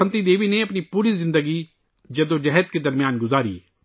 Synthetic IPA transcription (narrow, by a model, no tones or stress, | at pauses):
ənt̪id̪eːʋineɐpnipuːɾizɪ̃nd̪əɡi | d͡ʒɐd̪õd͡ʒɛɦət̪̚ked̪ɐɾmɪjaːnɡʊzaːɾḭː